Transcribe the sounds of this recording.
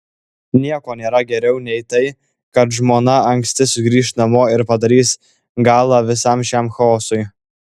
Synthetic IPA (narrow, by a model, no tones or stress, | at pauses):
nʲiɛkoːnʲeːɾɐɡʲɛɾʲɛʊnʲɛɪt̪ɐɪ | kɐt̪ʒmoːnɐɐŋʲksʲt̪ʲɪsʊɡɾʲiːʃt̪nɐmoːɪɾpɐd̪ɐɾʲiːs | ɡɑːlˠɑʋʲɪsɑmʃʲæmxɐoːsʊɪ